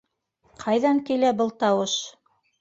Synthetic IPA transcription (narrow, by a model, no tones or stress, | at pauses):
qʰɑjðɑŋkilæbɤlˠt̪ɑwɤʃ